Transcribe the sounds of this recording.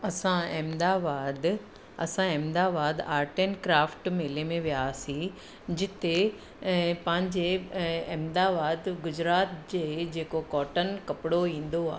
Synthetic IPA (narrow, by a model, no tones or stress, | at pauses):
ɐsãeːmd̪aːbaːd̪ | ɐ̰sãẽːmd̪aːbaːd̪aːɾʈenkɾaːfʈmeːlemẽʋijaːsĩ | d͡ʑɪt̪e | pɐ̃ɦɪ̃ɲd͡ʑeɛːmd̪aːbaːd̪ɡʊd͡ʑɾaːt̪d͡ʑeːd͡ʑeːkokɔːʈənkɐpɪɽoĩːn̆d̪oa̰ː